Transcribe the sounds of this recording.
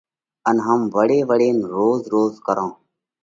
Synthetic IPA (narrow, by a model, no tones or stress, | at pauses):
ənɦəmʋəɽeːʋəɽeːnɾoːzɾoːzkəɾãː